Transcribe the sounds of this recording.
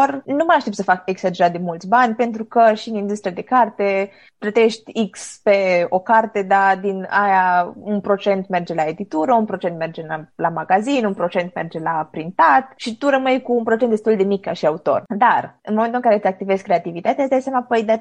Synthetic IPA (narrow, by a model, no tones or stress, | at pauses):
ornuməaʃt̪e̞pt̪səfake̞ksad͡ʒe̞ɾat̪̚d̪e̞mult̪sʲbanʲpe̞nt̪ɾukəʃiniɡ̪zist̪ɾəd̪e̞kart̪e | p̪lət̪e̞ʃt̪ʲikspe̞o̞kart̪e̞d̪ad̪inajaunpɾo̞t͡ʃe̞nt̪me̞rd͡ʒe̞lae̞d̪it̪uɾəunpɾo̞t͡ʃnt̪me̞rd͡ʒe̞alamaɡazinunpɾo̞t͡ʃe̞nt̪̚me̞rd͡ʒe̞lapɾint̪at̪ʃit̪uɾəməjkuːnpɾo̞t͡ʃend̪et̪uld̪e̞mika̰ʃiaut̪o̞̰rd̪arɨnmomet̪ulɨŋkaɾet̪eak̚t̪ive̞skːɾe̞at̪ivit̪at̪ejasd̪ajsjamapojd̪a